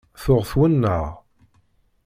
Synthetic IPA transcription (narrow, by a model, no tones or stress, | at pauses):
θʊʁθwənːə̰ʁ